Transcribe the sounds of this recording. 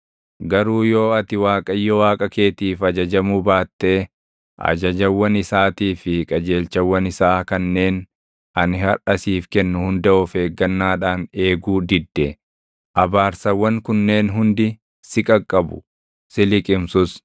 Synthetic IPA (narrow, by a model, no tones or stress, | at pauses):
ɡɐɾuːjo̞ːɐt̪ɪwaːkʼɐjːɔwaːkʼɐke̞ːt̪iːfɐd͡ʒɐd͡ʒɐmʊbaːt̪ːe̞ː | ʔɐ̰d͡ʒɐd͡ʒɐwːɐnɪsaːt̪iːfɪkʼɐd͡ʒe̞ːlt͡ʃɐwːɐnɪsaːkɐnːe̞ːn | ɐnɪhɐɾʔɐsiːfkɛnːʊhʊnd̪ɐʔɔfe̞ːɡːɐnːaːᶑaːne̞ːɡuːd̪ɪd̪ːɛ | ʔɐbaːɾsɐwːɐŋkʊnːe̞ːnɦʊnd̪ɪ | sɪkʼɐkʼːɐbʊ̰ | sɪlɪkʼɪmsʊs